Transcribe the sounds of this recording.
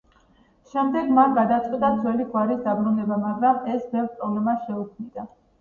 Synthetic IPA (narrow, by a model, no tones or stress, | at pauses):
ʃɛmd̪ɛɡmanɡad̪at̪sʼqʼid̪ad̪zwɛliɡwaɾisd̪abɾunɛbamaɡɾamɛsbɛvɾpʼɾɔblɛmasʃɛukʰmid̪a